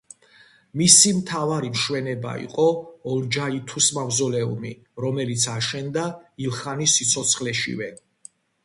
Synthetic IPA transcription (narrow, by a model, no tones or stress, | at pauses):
misimt̪ʰavaɾimʃwɛnɛba̰ḭqʼɔɔld͡ʒait̪ʰusmavzɔlɛṵmi | ɾɔmɛlit̪sʰaʃɛnd̪ailˠχanisːit̪sʰɔt̪sʰχlɛʃḭvɛ